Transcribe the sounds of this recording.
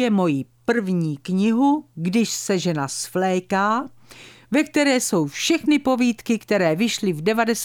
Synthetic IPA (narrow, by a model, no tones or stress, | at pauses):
jɛmo̞jipr̩vɲiːkɲɪɦuɡdɪʃsɛʒɛnasflɛːkaː | vɛk̚t̪ɛɾɛːso̞wfʃɛxnɪpo̞viːt̪kɪkt̪ɛɾɛːvɪʃlɪvdɛvadɛs